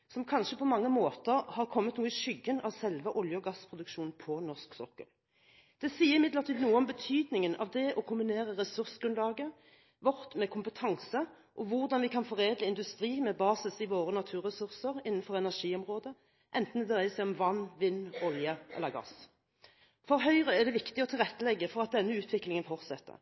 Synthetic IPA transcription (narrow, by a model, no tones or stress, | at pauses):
sɔmkʰɑnʃəpʰɔmɑŋːəmoːt̪əɾhɑʁkʰɔmːət̪nuːəʃʏɡːənɑʋsɛlʋəʔɔljəɔɡɑspʰʁʊd̪ʉkʃuːnpʰɔnɔʁsksɔ̰kːə̰l | d̪̥ɛsiːəɾɪmɪd̪ləʁt̪iːd̪nuːəɔmbət̪ʰyːd̪nɪŋənɑ̰ʋd̪ɛʔɔkʰʊmbɪneːɾəʁɛsʉɾsəɡɾʉnlɑːɡə | ʋɔʁt̪mɛkʰʊmpət̪ʰɑŋsə | ʔɔʋʊʁd̪ɑnʋɪkʰɑnfɔʁeːd̪ləɪnd̪ʉst̪ɾiːmɛbɑːsɪsɪʋoːɾənɑt̪ʰʉːɾʁɛsʉʁsəʁɪnːənfɔʁɛnæʁʂiːɔmʁoːd̪ə | ʔɛnt̪n̩ɛd̪ʁæɪəsæɪɔmʋɑnːʋɪnːɔljəʔlːəʁɡɑ̰s | fɔɾɦœʏʁəæd̪ɛʋɪkt̪ɪɔt̪ʰɪlʁɛt̪ːəlɛɡːəfɔʁɑt̪̚d̪ɛnːəʉːt̪ʰʋɪklɪŋənfɔʁt̪sɛt̪ːə̰ɾ